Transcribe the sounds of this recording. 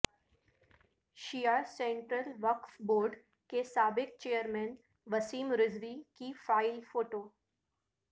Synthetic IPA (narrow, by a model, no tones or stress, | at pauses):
ʃijaːɾsẽɳʈɾəlʋɐkfboːɾɖ | kesaːbɪk̚t͡ʃejəɾmɛ̃n | ʋɐsiːmɾɪzʋikifaːɪlfoːʈoː